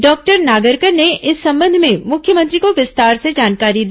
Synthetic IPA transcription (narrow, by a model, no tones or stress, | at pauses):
ɖɔːk̚ʈəɾnaːɡəɾkəɾneɪsːɐ̃mbə̃nd̪ʱmẽmʊkʰjəmə̃nt̪ɾikoʋɪst̪aːɾsed͡ʒaːnkaːɾid̪